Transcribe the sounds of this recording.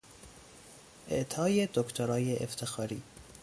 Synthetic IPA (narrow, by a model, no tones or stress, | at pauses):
ʔḛʔt̪ʰɒːjed̪okt̪ʰoɾɒːjeʔḛft̪ʰexɒːɾiː